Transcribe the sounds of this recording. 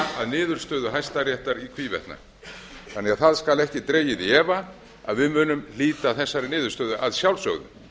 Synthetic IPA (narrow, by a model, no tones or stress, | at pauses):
aðnɪːðʏɾ̥st̪œːðʏɦajst̪aɾjɛht̪aɾikʰviːvɛ̰ht̪na̰ | θanːɛɣaðθaðskalɛhcɪt̪ɾeːjɪðɛːva | a̰ðvɪðmʏːnʏmliːt̪aθɛsːaɾɪnɪːðʏɾ̥st̪œːðʏʔaðsjawlsœ̰ɣðʏ̰